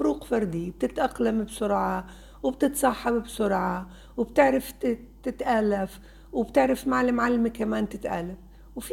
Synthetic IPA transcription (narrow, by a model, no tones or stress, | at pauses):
fʊɾuːqfɑɾˤd̪ib̥̚t̪ɪt̪ʔaqlambsʊɾʕɑ | wɪbt̪ɪt̪sˤɑħːɑbbsʊɾʕɑ | wɪbt̪ɪʕɾɪft̪ | t̪ɪt̪ʔalːaf | wɪbt̪ɪʕɾɪfmaʕalmʕalːmikamaːnt̪ɪt̪ʔaːlːaf | wfi